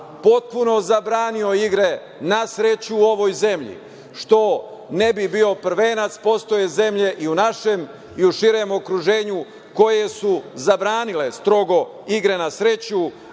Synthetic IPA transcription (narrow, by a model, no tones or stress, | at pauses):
po̞t̪̚puno̞zabɾaːnio̞iɡɾe̞ | nasɾe̞t͡ɕuuo̞ʋo̞jze̞mʎḭ | ʃt̪o̞nebibio̞pr̩ʋe̞ːnat̪spo̞st̪o̞jeze̞mʎe̞ʔiunaʃe̞m | iuʃiɾe̞mo̞kɾuʒe̞ːɲu | ko̞je̞suzabɾaːnile̞st̪ɾo̞ɡo̞ | iɡɾe̞nasɾe̞t͡ɕu